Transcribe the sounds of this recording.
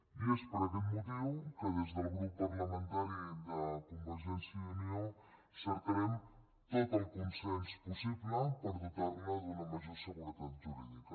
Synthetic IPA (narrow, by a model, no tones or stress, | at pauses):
iespɾɔpəmut̪iwkəð̞ezðəlˠɣɾupːərləmənt̪aɾid̪əkumbəɾʒɛnsiəunio | səɾk̪əɾɛm | t̪ot̪əlˠkunsɛnspusiβləpəɾðut̪arləðunəməʒosəɣuɾət̪at̪ʒuɾiðikə